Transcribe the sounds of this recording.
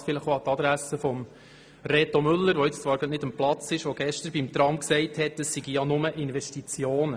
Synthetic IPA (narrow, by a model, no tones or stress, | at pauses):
fɪləχoɑt̪ɑd̪ɾæsəfɔm | ɾɛt̪omʏlːəɾʋɔɪt͡st͡sʋɑːɾɡɑtnɪd̪əmplɑt͡sɪʃʋoɡ̥ɛʃtəɾbimt̪ɾɑmksɛɪthɛtəsːiɡijɑnʊməʔɪnʋɛstit͡sjoːnə